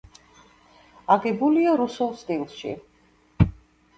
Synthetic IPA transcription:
aɡɛbuliaɾusulˠst̪ʼilˠʃḭ

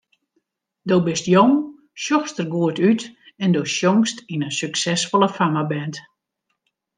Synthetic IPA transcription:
dowbɪstjoŋ | ʃjɔxstərɡuətyt | ɛndoːsjoŋstinəsyksɛsfolˠəfamabɛnt

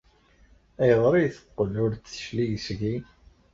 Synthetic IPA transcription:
æjəðˤɾˤijθə̥qːəlːʊɾtːə̥ʃlijsɣi

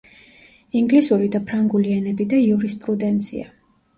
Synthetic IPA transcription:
iŋɡlisuɾid̪apʰɾaŋɡulianɛbid̪aiuɾispʼɾud̪ɛnt̪sʰḭa̰

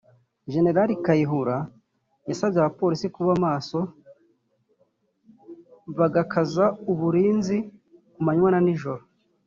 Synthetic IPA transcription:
ʒe̞ne̞ɾaɾikajiɦuɾa | jasabɟeaβapo̞ɾisikuβamaːso̞ | βaɡakʰazauβuɾiːnzikumaɲwananiʒoɾo

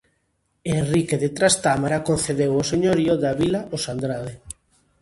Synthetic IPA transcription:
enrikeðet̪ɾast̪amaɾakonθeðewoseɲoɾioðaβilaʔosand̪ɾað̞e

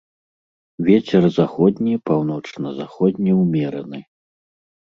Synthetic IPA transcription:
vʲɛt͡sʲɛrzaxɔd̪ʲnʲipawnɔt͡ʂnɐzaxɔd̪ʲnʲiwmʲɛɾɐnɨ

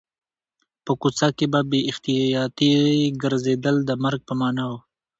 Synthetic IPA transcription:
pəkut͡sakebabeɪxt̪ijjɑt̪iɡəɾzed̪əld̪əmaɾɡ̚pəmɑnaw

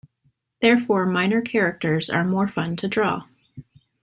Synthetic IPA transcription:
ðɛɹfɔɹmãɪ̃nə˞kʰɛɹɨk̚tə˞zə̰˞mɔɹfʌ̃ntʰɨdɹɔ̰

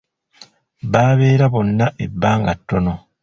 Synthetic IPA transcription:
βaːβe̞ːɾaβo̞nːaʔe̞bːaːŋɡatːo̞no̞

